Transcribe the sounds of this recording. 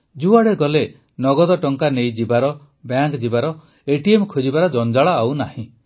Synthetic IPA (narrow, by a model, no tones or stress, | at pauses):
d͡ʒuaɽeɡɔle | nɔɡɔd̪ɔʈɔŋkanejd͡ʒibaɾɔ | bjaŋkd͡ʒibaɾɔ | eʈiemkʰod͡ʒibaɾɔd͡ʒɔnd͡ʒaɭɔawnahĩ